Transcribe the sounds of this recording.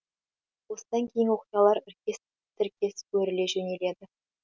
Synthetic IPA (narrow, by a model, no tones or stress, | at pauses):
wo̞səd̪ɑŋkʲʰejɪŋwo̞qijɑlˠɑɾɪɾkʲe̞s | t̪ʰɪɾkʲe̞sɵɾɪle̞ʒene̞le̞d̪ɪ